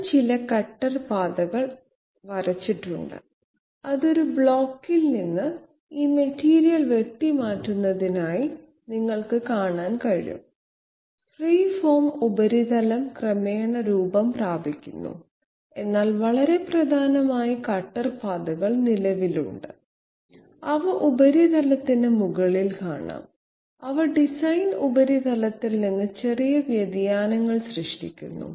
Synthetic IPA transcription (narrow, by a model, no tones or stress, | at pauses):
t͡ɕilɐkɐʈːɐrpaːd̪ɐɣɐɭ | ʋɐɾɐt͡ɕːiʈːṵɳɖɨ̰ | ɐðo̞ɾubɭoːkːilninːɨ | iːmɐtːiːɾijɐlʋe̞ʈːimaːtːunːɐðinaːji | niŋːɐɭkɨkaːɳaːnkɐɻḭjṵm | friːfoːmubɐɾiðɐlɐmkrɐmeːɳɐɾuːbɐmpraːbʱikʲːṵnːṵ | e̞nːaːlʋɐɭɐɾe̞prɐd̪ʱaːnɐmaːjikɐʈːɐrpɐd̪ɐɣɐɭnilɐʋilṵɳɖɨ | ɐʋɨʔubɐɾid̪ɐlɐt̪ːinɨmuɣɐɭilkaːɳa̰ːm | ɐʋɐɖisɐjnubɐɾid̪ɐlɐt̪ːilninːɨt͡ɕe̞rijɐʋjɐd̪jaːnɐŋːɐɭɕrɨʂʈikʲːṵnːṵ